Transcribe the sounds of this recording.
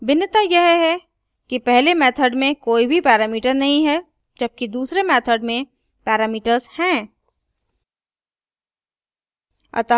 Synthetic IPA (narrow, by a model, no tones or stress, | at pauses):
bɪnːət̪ajɛɦɦɛ | kipɛɦlemɛːt̪ʰəɖmẽkoːibʱipɛːɾaːmiːʈəɾnɐɦĩɦɛ | d͡ʒɐb̚kid̪uːsɾemɛːt̪ʰəɖmẽ | pɛːɾaːmiːʈəɾzhɛ̃ː | ɐ̰t̪